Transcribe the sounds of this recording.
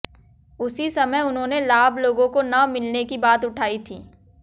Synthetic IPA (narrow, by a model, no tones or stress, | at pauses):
ʊsisɐməjʊnɦõːnelaːbʱloːɡõkonɐmɪlnekibaːt̪ʊʈʰaːit̪ʰiː